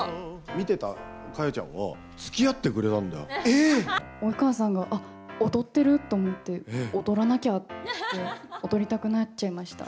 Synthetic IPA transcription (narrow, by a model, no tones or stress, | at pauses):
mʲit̪e̞t̪a̰ | kajat͡ɕã̰ɰ̃βa̰ | t͡sɨ̥kʲijat̪ːe̞kɯ̟ɾe̞t̪ãnd̪ajo̰e | oikaːsãŋɡaʔa | ot̪o̞t̪ːe̞ɾɯ̟t̪ːo̞ːmo̞t̪ːe̞ot̪o̞ɾanakʲae̞ot̪o̞ɾʲit̪akɯ̟nat͡ɕt͡ɕːaimaɕi̥t̪a̰